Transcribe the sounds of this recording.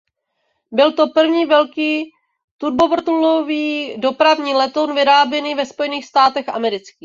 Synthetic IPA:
bɪlt̪o̞pr̩vɲiːvɛlkiː | t̪uɾbovr̩t̪uloviːdo̞pɾavɲiːlɛt̪ownvɪɾaːbjɛniːvɛspo̞jɛniːxst̪aːt̪ɛxʔa̰mɛɾɪt͡skiː

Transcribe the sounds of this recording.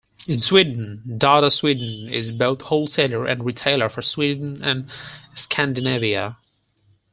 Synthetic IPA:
ɨ̃nswidⁿn̩dɑɾəswidⁿn̩ɪ̰zboʊθhoʊlˠseɪlˠə˞ʔɨ̰̃nɹitʰeɪlˠə˞fə˞swidⁿn̩ɨ̃nskʰæ̃ndɨneviɨ

